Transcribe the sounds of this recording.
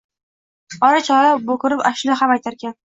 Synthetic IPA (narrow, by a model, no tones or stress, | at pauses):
ɒɾat͡ʃʰɒɾabokʲʊɾɪpaʃlɪɦamajt̪ʰaɾkʲan